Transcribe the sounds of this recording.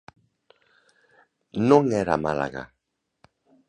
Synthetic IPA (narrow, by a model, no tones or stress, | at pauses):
nõŋeɾa̰mala̰ɣa̰